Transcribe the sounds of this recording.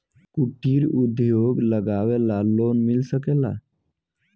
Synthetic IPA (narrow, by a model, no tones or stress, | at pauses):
kuʈiɾud̪ʱjoɡləɡaʋɛlalonmilsəkela̰